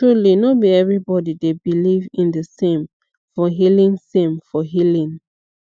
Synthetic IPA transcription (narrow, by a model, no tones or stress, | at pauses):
tɹulinobiɛvɹibɔdidebilivĩndəsẽm | fɔɦilĩŋsẽmfɔɦilĩŋ